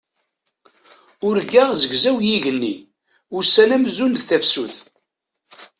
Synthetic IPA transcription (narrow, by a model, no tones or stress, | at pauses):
ʊɾɡæʁzəɡzæwjiʝənːḭ | ʊɾsænæmzunθæfsuθ